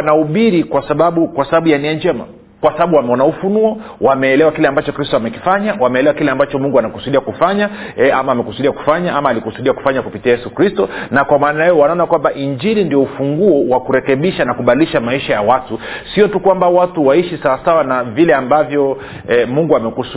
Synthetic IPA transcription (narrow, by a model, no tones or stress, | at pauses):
anauɓiɾikwasaɓaɓukwasaɓaɓujaniɛɲd͡ʒɛma̰ | kwasaɓaɓuwamɛɔnaufunuɔwamɛːlɛwakilɛambat͡ʃɔkɾistɔamɛki̥faɲawamɛːlɛwakilɛambat͡ʃɔmuŋɡuanakusuɗiakufaɲaɛamaːmɛkusuɗiaku̥faɲaamaːlikusuɗiaku̥faɲakupitiajɛsukɾistɔnakwamaːnajajɔwanaɔnakwambaʔiɲd͡ʒiɾindiɔufuŋɡuɔwakuɾɛkɛɓiʃanakuɓaliʃamaiʃajawatusiɔtukwambawatuwaiʃisawasawanavilɛambavjɔ | ɛmuŋɡuamɛku